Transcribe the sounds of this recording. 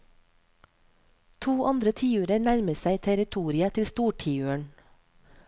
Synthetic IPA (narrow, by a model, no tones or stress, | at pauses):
t̪ʰuːʔɑnd̪ɾət̪ʰiːʉːɾəɾnæɾməsæɪt̪ʰæɾɪt̪ʰuːɾɪət̪ʰɪlst̪uːʈʰiːʉːəɳ